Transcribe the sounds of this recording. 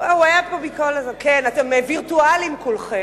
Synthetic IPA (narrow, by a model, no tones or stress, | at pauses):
owajab̚kabikolazekenat̪emeviʁt̪ualimkulχe